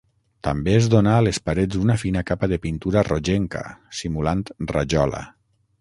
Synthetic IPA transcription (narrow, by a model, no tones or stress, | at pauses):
t̪ambeezðonaːlespaɾed͡zd̪unafinakapaðepint̪uɾaroʒeŋka̰simulant̪ra̰ʒɔla̰